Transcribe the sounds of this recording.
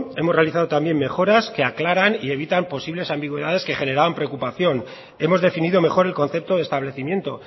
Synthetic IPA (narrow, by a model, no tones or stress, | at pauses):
e̞morealiθaðo̞t̪ambje̞nme̞xo̞ɾaske̞aklaɾanie̞β̞it̪ampo̞siβle̞sambiɣwe̞ðaðe̞ske̞xe̞ne̞ɾaβampɾekupaθjo̞n | e̞mo̞zðe̞finiðo̞me̞xo̞ɾe̞lko̞nθe̞p̚t̪o̞ðest̪aβle̞θimje̞nt̪o̞